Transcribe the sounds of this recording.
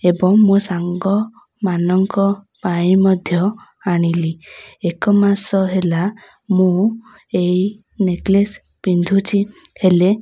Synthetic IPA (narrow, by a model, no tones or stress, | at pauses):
ebɔŋmũsaŋɡɔmanɔŋkɔpaĩmɔd̪ʱjɔaɽ̃iliekɔmasɔɦelamũeineklespind̪ʱut͡ʃʰihele